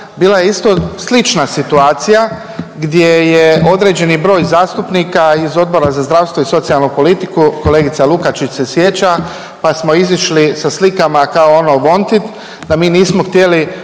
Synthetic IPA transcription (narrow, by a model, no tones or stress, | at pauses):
biːlajeist̪o̞slit͡ʃnasit̪uaːt̪sija | ɡd̪jeje̞o̞d̪ɾe̞ːd͡ʑe̞nibɾo̞ːjzaːst̪upnikaizo̞d̪̚bo̞ɾazazd̪ɾaʋst̪ʋoiso̞t̪sialˠnopo̞lit̪ikuko̞le̞ːɡit̪salukat͡ʃit͡ʃse̞sje̞t͡ɕa | pasmo̞iziʃlisaslikamakaoonoʋo̞nt̪it̪ | d̪amiːniːsmoxt̪je̞li